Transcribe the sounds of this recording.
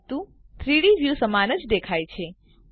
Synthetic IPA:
t̪ũ | t̪ʰɾiɽiʋjusəmanəd͡ʒd̪ekʰajt͡ʃʰe

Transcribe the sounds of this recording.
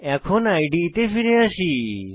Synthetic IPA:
ɛkʰonajɖit̪efiɾeaʃi

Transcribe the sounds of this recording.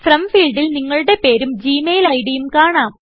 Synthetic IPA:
frɐmfiːɭɖilniŋːɐɭuɽe̞pe̞ːɾumd͡ʑiːmeːjilɐjɽijumkaːɳaːm

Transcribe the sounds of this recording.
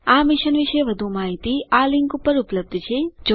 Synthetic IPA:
amɪʃənʋiʃeʋəd̪ʱumaɦit̪ialɪŋkupəɾupləb̚d̪ʱt͡ʃʰed͡ʒ

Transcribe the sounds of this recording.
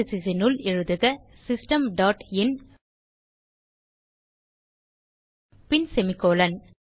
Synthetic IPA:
ɪsɪsɐnɯlɪɻɯðɯɣɐ | sɪsʈɐmɖaːʈɪn | pɪnsɛmɪkːoːlɐn

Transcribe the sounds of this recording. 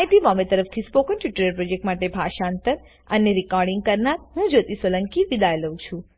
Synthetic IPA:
jʈimɔmet̪əɾəft̪ʰispokənʈiʈəɾəɾpɾod͡ʒek̚ʈmaʈebʱaʃaənt̪əɾ | əneɾikɔɾɖiŋɡ̚kəɾnaɾɦũd͡ʒot̪isʋələŋkiʋid̪ajeləũt͡ʃʰũ

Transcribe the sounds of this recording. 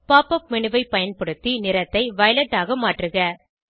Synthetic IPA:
paːpɐp̚mɪnɯʋɐɪpɐjɐnpɐɽɯt̪ːinɪɾɐt̪ːɐɪʋɐjlɐʈːaːɣɐmaːʈrɯɣɐ

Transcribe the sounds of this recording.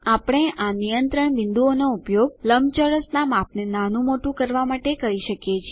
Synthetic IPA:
apəɽ̃eʔanijənt̪ɾəɳʋɪnd̪uonoupjoɡləmt͡ʃəɾəsnamap̚nenanũmoʈũkəɾʋamaʈekəɾiʃəkjet͡ʃʰi

